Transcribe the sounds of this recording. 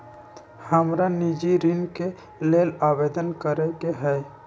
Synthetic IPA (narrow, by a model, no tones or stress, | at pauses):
həmɾanid͡ʒiɾɪnke | leːlaːbeːd̪ənkəɾekeɦɛː